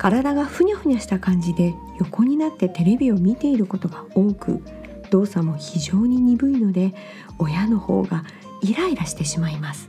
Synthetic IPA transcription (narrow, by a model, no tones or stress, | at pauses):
kaɾad̪aɡaɸɯ̟ɲ̟ʲaɸɯ̟ɲ̟aɕi̥t̪akãɲ̟d͡ʑid̪e̞ | jo̞ko̞ɲ̟inat̪ːe̞t̪e̞ɾe̞bʲio̞mʲit̪e̞iɾɯ̟ko̞t̪o̞ɡao̞ːkɯ̟̰ | d̪̥o̞ːsamo̞çiʑo̞ːɲ̟iɲ̟ibɯ̟ino̞d̪e̞ | o̞jano̞ho̞̰ːɡa | iɾaiɾaɕi̥t̪e̞ɕimaimasɨ̥